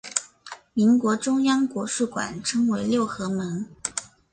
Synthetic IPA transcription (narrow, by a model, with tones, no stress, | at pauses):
mi˧˥nkwɔ˧˥ʈ͡ʂʊ˥ŋjɑ˥ŋkwɔ˧˥ʂu˥˩kwa̰˨˩nʈ͡ʂʰɤ˥ŋwe˧˥ɪljo˥˩ʊxɤ˧˥mə˧˥ŋ